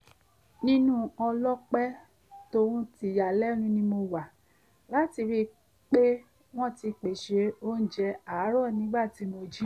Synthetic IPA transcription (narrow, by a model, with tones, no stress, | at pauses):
nĩ˦nũ˦ɔ˧lɔ˦k͡pɛ˦ | to˧ɾũ˦ti˧˨ja˨lɛ˦nũ˦nĩ˧˦mo˧wa˨ | la˨˦ti˧ɾi˦ | k͡pe˦ | w̃ɔ̃˦˨ti˧k͡pe˨ʃe˨˧o˦n̩˦˨d͡ʒɛ˧a˨˦ɾɔ˦˨nĩ˨˦ɡ͡ba˦˨ti˨˦mo˧d͡ʒi˦